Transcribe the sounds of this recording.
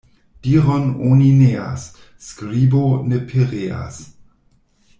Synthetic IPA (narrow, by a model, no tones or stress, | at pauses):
d̥iːʁɔnoninea̰sː | kɾibonepʰeʁea̰s